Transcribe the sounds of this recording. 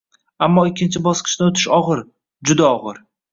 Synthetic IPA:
amːɒɪkʲːɪnt͡ʃʰɪbɒsqʰɨ̥ʃnɪot̪ʰɪ̥ʃɒʁɨɾ | d͡ʒʊd̪aɒʁɨɾ

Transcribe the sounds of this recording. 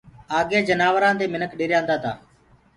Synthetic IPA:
aːɠeːd͡ʒənaːʋəɾãːt̪eːmɪnəkɗeːɾjãːnd̪aːt̪ʰa̰ː

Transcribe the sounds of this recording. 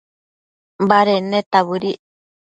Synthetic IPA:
baɾenet̪aβɨɾi

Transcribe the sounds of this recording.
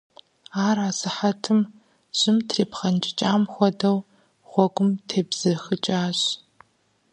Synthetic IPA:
aːraːsɨħɐtʰɨm | ɕʼɪmtʰreːpχɐnt͡ʃʼɪt͡ʃʼaːmxʷɔdɐw | ʁ̥ʷɔɡʷʊmtʰeːbz̥ɨxɨt͡ʃʼaːɕ

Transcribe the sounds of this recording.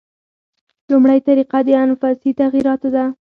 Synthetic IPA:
lumɽajt̪aɾiqad̪əanfɑsit̪aɣiɾɑt̪od̪a

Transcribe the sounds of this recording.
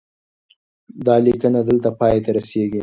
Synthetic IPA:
d̪ɑlikənad̪əlt̪apɑjet̪aɾaseɡi

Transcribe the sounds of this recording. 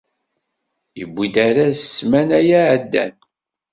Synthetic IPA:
ḭbʷːid̪aɾasə̥sːmænæjaʕəd̪ːæ̰n

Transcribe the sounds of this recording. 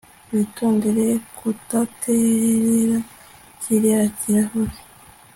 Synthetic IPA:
βitoːndeɾekʰutatʰeɾeɾa | ciɾeɾaciɾahoɾi

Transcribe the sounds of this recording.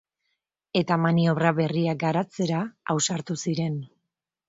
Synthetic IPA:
e̞t̪amanio̞βɾaβe̞riaɡaɾat͡se̞ɾaawsaɾt̪usiɾe̞n

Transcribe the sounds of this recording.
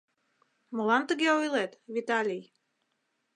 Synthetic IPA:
molɑnt̪əɣeojlet̪vit̪ɑlʲij

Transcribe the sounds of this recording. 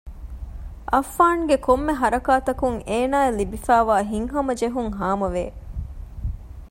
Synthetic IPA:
ʔɐfːaːŋɡekomːeɦɐɾɐkaːt̪ɐkuŋeːnaːelibifæːʋaːɦiŋɦɐmɐd͡ʒeɦuŋɦaːmɐʋḛː

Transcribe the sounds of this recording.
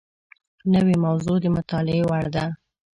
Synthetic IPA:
nəwemawzod̪əmʊt̪ɑlɪewaɽd̪a

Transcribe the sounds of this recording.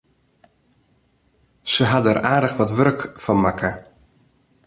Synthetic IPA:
səɦadɛraːdəxʋɔtʋørkfɔnmakə

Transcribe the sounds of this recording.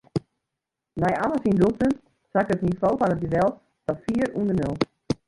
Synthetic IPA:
nɛjaləsinduk̚tən | sakətnivoːfɔnət̚ɡədɛlˠt | d̥ɔfiəɾundənɪlˠ

